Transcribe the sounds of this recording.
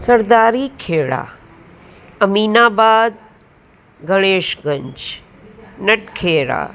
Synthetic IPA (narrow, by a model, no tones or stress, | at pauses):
sɐɾd̪aːɾiːkʰeːɽa̰ː | ɐmiːnaːbaːd̪̚ | ɡɐɽ̃eːʃɡɐ̃ɲd͡ʒ | nɐʈkʰeːɾa̰ː